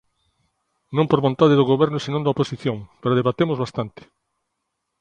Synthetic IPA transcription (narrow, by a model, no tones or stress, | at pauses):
nõmpoɾβõnt̪aðeðʊɣoβɛɾnʊsinõnd̪ɐoposiθjõŋpeɾʊðeβat̪emʊzβast̪ant̪ɪ̥